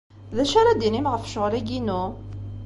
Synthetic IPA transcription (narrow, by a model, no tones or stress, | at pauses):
ðæʃaɾad̪inimʁəfʃəʁlæɡinu